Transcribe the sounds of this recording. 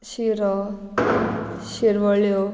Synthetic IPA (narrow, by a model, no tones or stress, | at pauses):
ɕiɾɔ | ɕiɾʋəɭjo